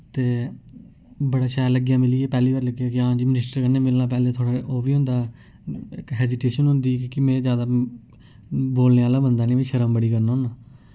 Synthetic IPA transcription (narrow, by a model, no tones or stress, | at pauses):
t̪eː | bəɽaːʃaːjləɡjãːmɪliːeːpɛːliːʋaːɾləɡjaːkɪãːd͡ʒiːmɪnɪsʈəɾkənːẽːmɪlnaːp̬ɛːleːt̪ʰoːɽaːʔoːbiːɦʊ̃nd̪aː | ɪkɦɛːziːʈeːʃənɦʊ̃nd̪iːkɪmɛ̃ːd͡ʒjaːd̪aː | boːlneːaːlaːbənd̪aːnĩːʋĩːʃəɾəmbəɽiːkəɾnoːnaː